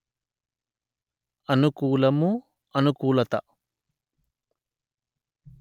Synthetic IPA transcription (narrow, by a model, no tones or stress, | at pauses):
ɐnukuːlɐmu | ɐnukuːlɐt̪ɐ̰